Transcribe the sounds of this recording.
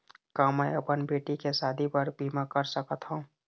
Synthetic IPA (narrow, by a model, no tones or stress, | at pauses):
kaːmɛɐpənbeːʈikesaːd̪ʱipəɾbʱiːmakəɾsəkət̪ɦũː